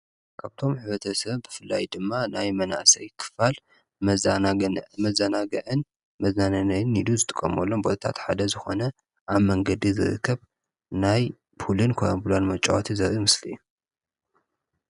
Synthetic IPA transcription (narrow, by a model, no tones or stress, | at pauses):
kʰaβt̪ʰo̞mħɨβɐt̪ʰɐsɐβbɨfɨlːajd̪ɨmːanajmɐna̰ʔsɐjkʰɨ̥fal | mɐz | mɐzɐnaɡɐʕɨn | mɐznanɐnɐjɨnid̪uzɨt̪ʼɨkʼːɐ̰molːo̞mbo̞t̪ʰɐt̪ʰa̰t̪ħad̪ɐzɨxo̞̰nɐ | ʔaβmɐŋɡɐd̪izɨ̰ɾɨ̰kʰːɐβ | naj | pulɨnkʰojambulanmɐt͡ʃʼːawot̪ʰizɐɾimɨslḭːu